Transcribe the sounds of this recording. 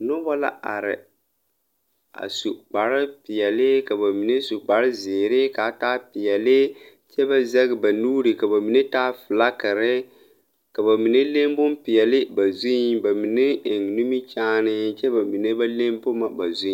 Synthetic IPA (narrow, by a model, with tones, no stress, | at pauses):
nʊ˦bɔ˦la̰˦ʔa̰˨ɾɪ̰˨ | a̰˨su˨k͡pa˨ɾɪ˦pɪ˨jɛ˨lɪ˦ka˨ba˨mi˨ne˦su˨k͡pa˨ɾɪ˦zeː˨ɾɪ˦ka˨taː˦pɪ˨jɛ˨lɪ˦ | t͡ʃɛ˦ba˦zɛ˦ɣɪ˦ba˨nuː˦ɾi˨ka˨ba˨mi˨ne˦taː˦fɪ˨la˦kɪ˨ɾɪ˦ | ka˨βa˨mi˨ne˦le˦m˦bʊ˦mpɪ˨jɛ˨lɪ˦ba˨zu˦ba˨mi˨ne˦ɪ˨ŋnu˦mi˦t͡ʃaː˦nɪ˦t͡ʃɛ˦ba˨mi˨ne˦ba˦le˦mbʊ˦ma˨ba̰˨zũ˦